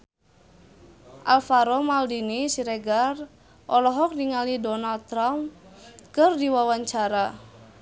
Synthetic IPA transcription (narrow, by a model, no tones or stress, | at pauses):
ʔalfaɾɔmaldinisiɾeɡar | ʔɔlɔɦɔk̚niŋalidɔnald̪̚t̪ɾamkərdiwawaɲt͡ʃaɾa